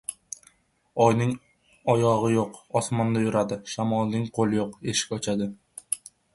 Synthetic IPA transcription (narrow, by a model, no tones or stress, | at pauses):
ɒjnɪŋ | ɒjɒʁɨjoqɒsmɒnd̪ajʊɾad̪ɪʃamɒlˠnɪŋqʰolˠɪjoqe̞ʃɪ̥kʲɒt͡ʃʰad̪ɪ